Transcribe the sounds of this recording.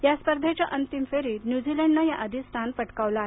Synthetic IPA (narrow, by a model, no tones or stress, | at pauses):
jaspəɾd̪ʱat͡ɕaʔənt̪imfeɾiːɾnjud͡ʑilɛɳɖnajaʔəd̪ʱist̪ʰanpəʈkaʋlaːɦe